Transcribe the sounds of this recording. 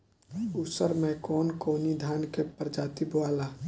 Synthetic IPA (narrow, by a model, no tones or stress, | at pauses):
ʊsəɾmɛ̃kɔːnkoːnid̪ʱaːnkepəɾd͡ʒaːt̪iboaːlaː